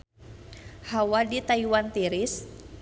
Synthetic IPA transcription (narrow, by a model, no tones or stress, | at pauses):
hawadit̪aiwant̪iɾis